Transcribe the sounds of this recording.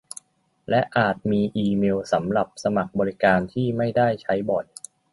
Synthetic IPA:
lɛ˦˥ʔaː˨˩t̪̚miː˧ʔiː˧meː˧wsa˩˦mɾa˨˩p̚sa˧ma˨˩k̚bɔː˧ɾi˦˥kaː˧nt̪ʰiː˥˩ma˥˩jda˥˩jt͡ɕʰa˦˥jbɔ˨˩j

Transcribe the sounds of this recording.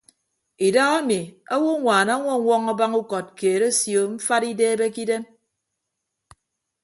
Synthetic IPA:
i˨da˦ɣa˦mi˨a˦wo˦ŋʷaː˨na˦ŋʷɔ˦ŋʷɔ˦ŋa˦ba˦ŋu˦kɔ˨t̚keː˨ɾe˦sjo˨m̩˦fa˦ɾi˦deː˦be˦ki˦de˦m

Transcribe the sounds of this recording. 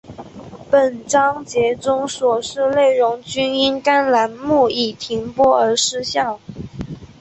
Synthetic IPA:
pə˨˩nʈ͡ʂɑ˥ŋt͡ɕjɛ˧˥ʈ͡ʂʊ˥ŋswɔ˨˩ʂɻ̩˥˧le˥˩ɪɻʊ˧˥ŋt͡ɕy˥ni˥nka˥nla˧˥nmu˥˩i˨˩t̪ʰi˧˥ŋpwɔ˥ə˞˧˥ʂɻ̩˥ɕjɑ˥˩ʊ

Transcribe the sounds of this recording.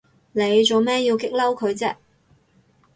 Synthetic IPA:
ne˨˧jt͡so˨wmɛː˥ji˧wkɪ˥k̚lɐ˥wkʰɵ˨˧ɥt͡sɛː˥

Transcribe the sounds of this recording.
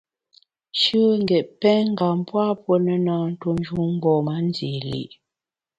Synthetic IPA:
ʃʉ˦ŋ̩˦ɡɛ˨ʔpɛ˦ŋ̩˦ɡa˨mpwa˦pwə˦nə˨naː˨˦n̩˦tu˦n˦d͡ʒu˦ŋ̩˦ɡɔː˨ma˨˦n˦di˨lḭ˦˨ʔ

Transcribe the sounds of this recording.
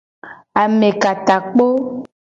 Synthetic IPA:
a˨mẽ˨ka˨t̪a˨k͡po˦

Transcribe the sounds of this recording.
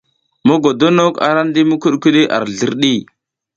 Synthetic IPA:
mo˦ɡo˨do˦no˦ka̰˨ɾa˦n˦di˦mu˦ku˦ɗki˦ɗi˦ʔa̰˨ɾɮə˦ɾɗi˦˨

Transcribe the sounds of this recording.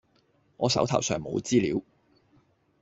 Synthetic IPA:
ŋɔː˨˧sɐ˨˥wt̪ʰɐ˨˩wsœː˨ŋmo˨˧wt͡siː˥liː˨˥w

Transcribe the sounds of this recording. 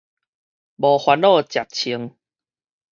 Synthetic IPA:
bɔ˨˩hwa˧nlɔ˥˨t͡ɕja˨˩k̚t͡ɕʰi˧˦əŋ

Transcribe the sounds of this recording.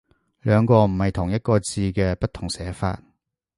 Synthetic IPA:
lœː˨˧ŋkɔː˧m̩˨˩hɐ˨jt̪ʰʊ˨˩ŋjɐ˥t̚kɔː˧t͡siː˧kɛː˧pɐ˥t̪̚ʰʊ˨˩ŋsɛː˨˥fa̰ː˧t̚

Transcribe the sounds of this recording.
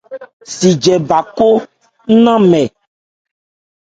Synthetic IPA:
si˨d͡ʒɛ˨ba˨ko˦ | nã˦mɛ̃˨

